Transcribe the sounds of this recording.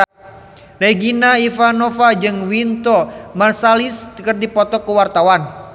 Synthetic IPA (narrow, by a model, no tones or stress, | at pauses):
reɡinaifanɔfad͡ʒɨŋwint̪ɔmarsaliskərdipɔt̪ɔkəwart̪awan